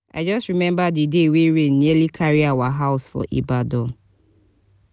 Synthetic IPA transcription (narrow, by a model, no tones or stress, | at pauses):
ʔa̰jd͡ʒɔstɹimɛ̃mbadideweɹẽnːilikʰaɹiawaɦaʊsfɔ̰ʔḭbadɔ